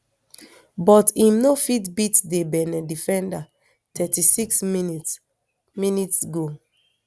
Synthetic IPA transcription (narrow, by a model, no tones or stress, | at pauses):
bɔtĩmnofitbitdebɛnɛdifɛ̃nda | tʰɛtisiksminit | minitsɡo